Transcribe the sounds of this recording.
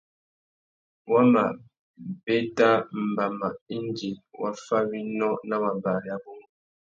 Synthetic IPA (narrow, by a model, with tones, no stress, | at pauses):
wa˦ma̰˨ | be˦ta˦m̩˨ba˨ma˨i˦n˦d͡ʒi˨wa˦fa˦wi˦nɔ˦na˦wa˨ba˨ja˦bu˦ŋ